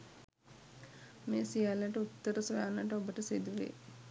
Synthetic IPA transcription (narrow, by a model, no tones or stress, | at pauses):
meːsijaːlaʈəut̪ːəɾəsojaːnaʈəobəʈəsed̪uʋḛ